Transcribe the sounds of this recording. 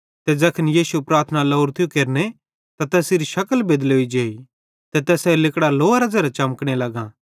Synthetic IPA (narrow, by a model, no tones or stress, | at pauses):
t̪ɛd͡ʒɐkʰənjiːsupɾaːɾt̪ʰnalɐʊɾt̪ʰijukeːɾne | t̪at̪ɛːsɪɾiʃɐkəlbed̪leoːid͡ʒeːi | t̪ɛt̪ɛːsɛlɪkɽaloːaɾad͡ʒɛːɾat͡ʃɐmkɽ̃elɐɡãː